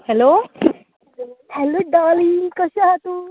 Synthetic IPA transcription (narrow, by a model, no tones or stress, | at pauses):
hɛloː | hɛloɖaːlikɔʃaɦat̪u